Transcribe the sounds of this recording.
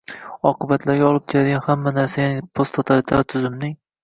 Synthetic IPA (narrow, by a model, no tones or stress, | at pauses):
ɒqʰɨbat̪ʰlaɾɡʲaɒlˠɪp̚d͡ʒad̪ɡanhamːanaɾsajanɪpʰost̪ʰot̪ʰalɪt̪ʰaɾt̪ʰʊzɪmnɪŋ